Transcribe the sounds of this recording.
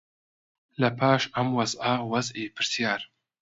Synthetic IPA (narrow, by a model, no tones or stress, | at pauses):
lɐpʰaːʃɐmwɐzʔɐwɐzʔiːpʰɨɾsjaːɾ